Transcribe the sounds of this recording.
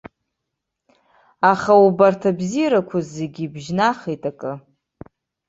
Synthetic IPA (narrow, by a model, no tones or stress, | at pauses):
aχaubartʰabzijɾakʷʰazeɡʲibʒnaχejtʼakʼɨ